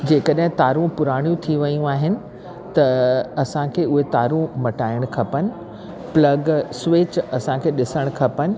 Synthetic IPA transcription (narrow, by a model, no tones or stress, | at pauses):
d͡ʑeːkəɗɦɪ̃t̪aːɾũpʊɾaːɽ̃ijũt̪ʰiʋɐjũaːɦɪnɪ̆ | t̪ɐɐsãkʰeːʊɦet̪aːɾũmɐʈaːɪɽ̃kʰɐpənɪ̆ | plɐɡsʋɪt͡ɕɐsãkʰeːɗɪsəɽ̃kʰɐpənɪ̆